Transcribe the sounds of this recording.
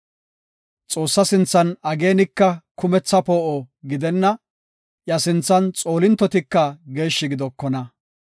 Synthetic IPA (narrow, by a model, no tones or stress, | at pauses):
t͡sʼo̞ːsːɐsɪnt͡sːɐnɐɡe̞ːnɪkːɐkʊmɛt͡sːɐpoːʔɔɡɪd̪ɛnːɐ | ʔjɐsɪnt͡sːɐnt͡sʼo̞ːlɪnt̪ːɔt̪ɪkːɐɡe̞ːʃːɪɡɪd̪ɔkːɔnɐ